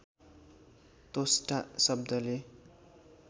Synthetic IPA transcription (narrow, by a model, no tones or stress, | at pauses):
t̪osʈasʌb̚d̪ʌle